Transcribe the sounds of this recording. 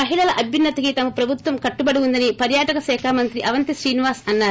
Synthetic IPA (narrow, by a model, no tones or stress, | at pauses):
mɐɦiɭɐlɐʔɐbʱjinːɐt̪ɐkit̪ɐmɐpɾɐbʱut̪ʋɐmkɐʈːubɐɽiund̪ɐnipɐɾjaːʈɐkɐsɛːkʰaːmɐnt̪ɾiʔɐʋɐnt̪isɾiːniʋaːɾsɐnːaːɾu